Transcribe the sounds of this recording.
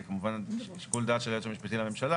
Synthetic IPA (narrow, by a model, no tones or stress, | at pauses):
kamuvanʃe̥kold̪aːt̪ʃelajotamiʃpat̪imlame̞mʃala